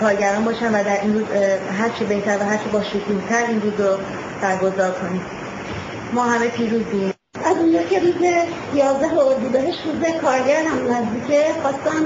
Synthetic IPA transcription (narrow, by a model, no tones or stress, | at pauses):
kʰɒːɾɟæɾɒːnbɒːʃænvæd̪æɾʔinɾuːzɦæɾt͡ʃʰebe̞ht̪ʰæɾvæɦæɾt͡ʃʰebɒːʃokʰuːht̪ʰæɾinɾuːzɾo | b̥æɾɡo̞zɒːɾkʰo̞niːm | mɒːɦæme̞pʰiːɾuːzim | ʔæzund͡ʒɒːcʰe̞ɾuːze | jɒːzd̪æɦooɾd̪uːd̪æɦeʃɾuːzekʰɒːɾɟæɾd̪æmunːæzd̪iːcʰexɒːst̪æm